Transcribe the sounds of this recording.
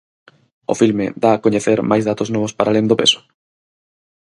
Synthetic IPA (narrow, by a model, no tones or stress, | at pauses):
o̰filmed̪aːkoɲeθeɾmajzðat̪oznɔβ̞ospaɾalend̪opḛsʊ̥